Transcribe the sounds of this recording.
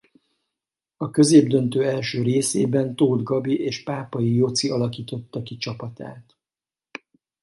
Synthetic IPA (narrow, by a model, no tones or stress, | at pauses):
ɒkø̞zeːbd̪ø̞nt̪øːɛlʃøːɾeːsḛːbɛnt̪oːd̪ɡɒbiʔeːʃpaːpɒjijot̪siɒlɒkiːt̪o̞t̪ːɒkit͡ʃɒpɒt̪a̰ːt̪